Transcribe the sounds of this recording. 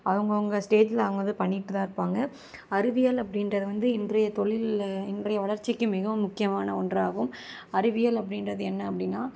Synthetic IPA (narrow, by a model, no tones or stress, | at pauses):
ɐʋɐŋɡɐʊŋɡɐsʈeːd͡ʒɪlaːɐŋɡɐðɯpɐɳːɪʈːɯðãːɪɾɯpːaːŋɡɐ | ɐɾɪʋɪjalɐpːɐɽɪnrɐðɯʋɐnd̪ɯɪndrɐjɐt̪ɔɭɪlɪndrɐjɐʋɐɭɐɾt͡ʃːɪkːɯmɪɣɐʋɯmʊkːɪjɐmaːnɐɔndraːɣɯm | ɐɾɪʋɪjalɐpːɐɽɪnrɐðɯɛnːɐːpːɐɽɪnːaː